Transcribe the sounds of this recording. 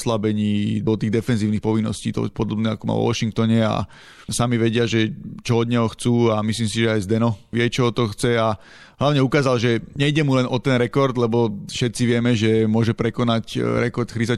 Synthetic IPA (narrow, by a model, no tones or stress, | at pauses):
slabɛɲiːd̪ɔt̪iːɣd̪ɛfɛnziːʊnixpɔʋinːɔ̰sciːt̪ɔ̰pɔd̪ɔbnɛa̰kɔma̰ʋɔ̰ʋɔ̰ʃiŋk̚t̪ɔɲɛa̰ | samiʋɛɟɪaʒɛt͡ʃɔɔd̪ɲɛɦɔxt͡suːamisliːmsiʒɛajzd̪ɛnɔʋɪɛt͡ʃɔɦɔt̪ɔxt͡sɛa | ɦlaʊɲɛukaːzalʒɛɲɛjɟɛmulɛnʔɔt̪ɛnɾɛkɔɾd̪lɛbɔfʃɛt̪t͡siʋɪɛmɛʒɛmʊɔʒɛpɾɛkɔnacɾɛkɔɾt̪xɾiza